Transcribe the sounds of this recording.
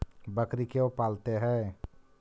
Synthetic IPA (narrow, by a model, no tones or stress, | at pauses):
bəkɾikeopaːlt̪eɦɛ̃ː